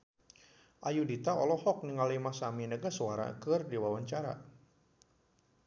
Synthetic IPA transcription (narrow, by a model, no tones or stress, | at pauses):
ʔajudit̪aɔ̰lɔhɔk̚niŋalimasaminəɡasuwaɾa̰kɨrdiwawaɲt͡ʃaɾa̰